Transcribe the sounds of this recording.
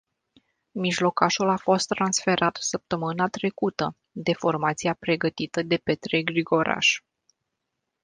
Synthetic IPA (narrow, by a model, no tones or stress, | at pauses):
miʒlo̞kaʃulafo̞st̪ːɾansfe̞ɾʔat̪səp̚t̪əmɨnat̪ɾe̞kut̪ə | d̪e̞fo̞rmat̪siapɾe̞ɡət̪it̪əd̪e̞pe̞t̪ɾe̞ɡɾiɡo̞ɾa̰ʃ